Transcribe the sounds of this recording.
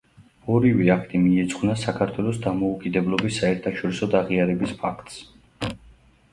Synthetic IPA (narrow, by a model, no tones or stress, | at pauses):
ɔɾivɛakʰt̪ʼimiɛt̪sʼχwnasakʰaɾt̪ʰwɛlˠɔsd̪amɔukʼid̪ɛblˠɔbisːaɛɾt̪ʰaʃɔɾisɔd̪aʁiaɾɛbispʰakʰt̪ʼs